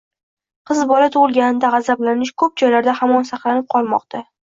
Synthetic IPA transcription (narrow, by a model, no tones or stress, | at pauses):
qʰɨzbɒlat̪ʰʊʁɨlˠɡʲanɪd̪aʁɑzablanɪʃkʰɵp̚d͡ʒɒjlaɾd̪ahamɒnsɑqlˠanɪp̚qʰɒlˠmɒ̰q̚t̪ʰa